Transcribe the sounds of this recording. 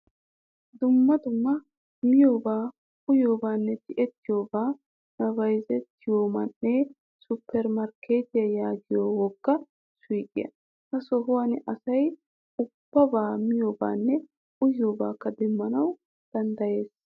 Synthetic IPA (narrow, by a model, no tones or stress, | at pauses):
d̪ʊmːɐd̪ʊmːɐ | mɪjo̞ːbaː | ʔʊjo̞ːbaːnːɛt̪ɪʔɛt̪ːɪjo̞ːbaː | nɐvɐjzɛt̪ːɪjo̞ːmɐnːeː | sʊpʰːɛɾmɐɾkeːt̪ɪjɐjaːɡɪjoːwɔɡːɐ | swiːkʼːɪ̰jɐ̰ | hɐsɔɦʊwɐnɪʔɐsɐj | ʊb̥ːɐbaːmɪjo̞ːba̰ːnːɛ | ʔʊjo̞ːbaːkːɐd̪ɛmːɐnɐw | d̪̥ɐnd̪ɐje̞ːs